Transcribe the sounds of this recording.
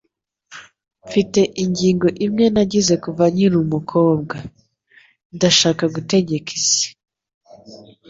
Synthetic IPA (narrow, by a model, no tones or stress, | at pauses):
ɱfite̞ʔiɲɟiːŋɡo̞ʔimŋe̞naɟize̞kuvaɲiɾumukʰo̞ːb̚ɡa | ndaʃaːkaɡute̞ɟe̞kʰez̥e̥